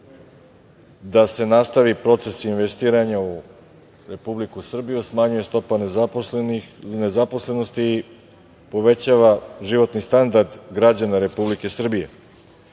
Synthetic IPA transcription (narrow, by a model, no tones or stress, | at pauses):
d̪ase̞nast̪aʋipɾo̞t̪se̞sinʋe̞st̪iːɾaɲau | ɾe̞publikusr̩bijusmaɲuje̞st̪o̞pan | ne̞zapo̞sle̞no̞st̪iː | po̞ʋe̞t͡ɕaʋaʒiʋo̞t̪nist̪and̪aɾd̪ɡɾad͡ʑanaɾe̞publike̞sr̩bije̞̰